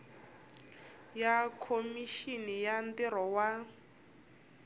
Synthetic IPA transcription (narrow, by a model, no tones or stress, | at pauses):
jakʰomiʃinijandiɾɔwa